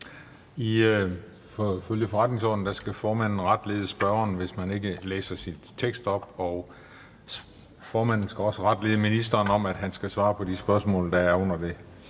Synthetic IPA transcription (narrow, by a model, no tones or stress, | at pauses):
i | fɒføljəfɒ̽ʁɑd̥ne̝ŋsɒ̰d̥n̩d̥æsɡ̥æfɒːmæn̰n̩ʁɑ̈d̥le̝ːðˠəsb̥ɶɐnʋe̝smæne̝ɡ̥əlḛːsɐsin | t͡sʰeɡ̥sd̥ɒ̽b̥ɒ̽ | fɒːmæn̰n̩sɡ̥æɒ̽səʁɑ̈d̥le̝ːð̩ˠəminisd̥ɐːnɒ̽mæd̥ɦænsɡ̥æsʋɑ̈ːpʰɒ̽disb̥ɶɐsmɔ̰̽ːld̥ɑ̈æɐɔ̽n̰ɐd̥e̝